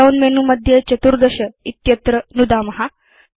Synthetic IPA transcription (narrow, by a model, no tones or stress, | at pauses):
aunmenuməd̪ʱjet͡ɕət̪uɾd̪əɕəit̪jət̪ɾənud̪amɐɦa